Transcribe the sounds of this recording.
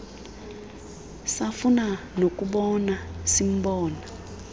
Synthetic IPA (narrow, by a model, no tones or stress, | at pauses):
safuna | nok̬ʼuɓɔnasim̩ɓɔːna